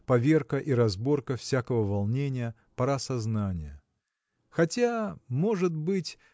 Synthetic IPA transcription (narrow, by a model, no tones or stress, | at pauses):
pɐvʲe̞rkəʔiɾɐzbo̞rkəfsʲakəvəvɐlˠnʲenʲɪjə | pɐɾasɐznanʲɪjə | xɐtʲamo̞ʐɨt̪̚bɨtʲ